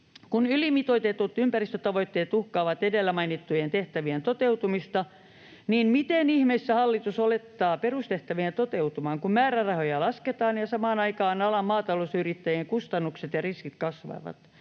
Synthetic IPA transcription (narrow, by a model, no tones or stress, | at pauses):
kunylimit̪oit̪et̪ut̪ympærist̪ø̆t̪ɑʋoit̪ːeːt̪uhkɑːʋɑt̪edelːæmɑinit̪ːujent̪eht̪æʋient̪ot̪eut̪umist̪ɑ | niːnmit̪enihmeisːæhɑlːit̪usolet̪ːɑːperust̪eht̪æʋient̪ot̪eut̪umɑːŋkummæːrærɑhojɑlɑsket̪ɑːnjɑsɑmɑːnɑikɑːnɑlɑmmɑːt̪ɑlosyrit̪ːæjeŋkust̪ɑnːukset̪jɑriskit̪kɑsʋɑ̰ʋɑ̰t̪